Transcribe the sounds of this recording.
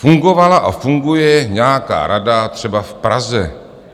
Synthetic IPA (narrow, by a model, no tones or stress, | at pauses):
fuŋɡovalaʔafuŋɡujɛɲɛaka̰ːɾadat̪r̝̥ɛbafpɾazɛ